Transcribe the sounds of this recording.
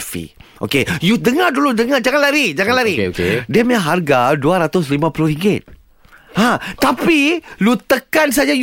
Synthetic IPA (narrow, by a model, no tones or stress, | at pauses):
fḭʔo̰kejudəŋarduludəŋad͡ʒaŋanlaɾid͡ʒaŋanlaɾikdɛmaɦarɡaduaɾat̪ʊslimãpuluɾiŋɡɪt̪̚ | hãt̪apilut̪əkans̬ad͡ʒaj